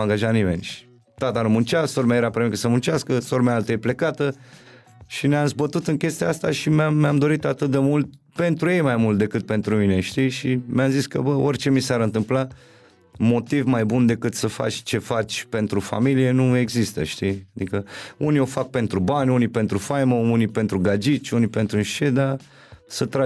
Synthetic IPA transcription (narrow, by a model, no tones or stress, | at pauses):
aŋɡaʒat̪nime̞nʲʃ | t̪at̪anumunt͡ʃaso̞ɾmaeɾapɾomikəsəmunt͡ʃaskəso̞ɾmɛaalt̪əjeple̞kat̪ə | ʃineamzbət̪ut̪ɨŋkʲe̞st̪ijaast̪aʃimameamd̪o̞ɾit̪at̪ɨt̪̚d̪e̞mult̪̚ | pe̞nt̪ɾuje̞jmajmult̪d̪e̞kɨt̪̚pe̞nt̪ɾumine̞ʃt̪iʃimeamziskə̰bəo̞rʲt͡ʃe̞misaɾɨnt̪ɨmpla | mo̞t̪ivmajbund̪e̞kɨt̪səfa̰t͡ʃʲt͡ʃe̞fat͡ʃʲpe̞nt̪ɾufa̰milije̞nue̞ɡzist̪ə̰ʃt̪iad̪ikəuniofak̚pe̞nt̪ɾubanʲunipe̞nt̪ɾufajməunipe̞nt̪ɾuɡad͡ʒit͡ʃʲunipe̞nt̪ɾuʃe̞d̪a | sət̪ɾa